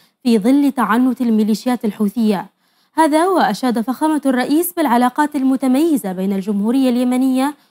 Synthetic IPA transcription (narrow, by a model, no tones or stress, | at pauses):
fiːðˤɨlːt̪aʕanːʊt̪almɪliːʃɪjaːt̪alħuːθɪjːa | haːðawaʔaʃaːd̪afaxaːmarˤːɑʔiːsbɪlʕalɑːqɑːt̪almʊt̪amajːɪzabeːnald͡ʒʊmhuːɾɪjːaljamanɪjːa